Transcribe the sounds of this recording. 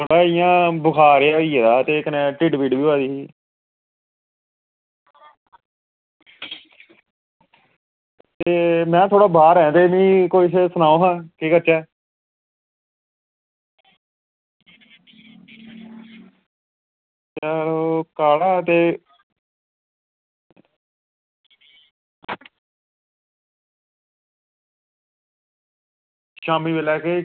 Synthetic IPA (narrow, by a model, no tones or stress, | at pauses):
t̪ʰoːɽaːijãːbʊkʰaːɾɪjaːiːɛːd̪aːt̪eːkənɛ̃ːʈɪɖbiːɖbiːaːd̪iːi | t̪eːmɛ̃ːt̪ʰoːɽaːbaːɾɛ̃ːt̪eːmĩːkoːissənãːõːɦãːkiːkəɾt͡ʃɛː | t͡ʃaɾokaːɽaːt̪eː | ʃaːmiːʋeːlɛːkeː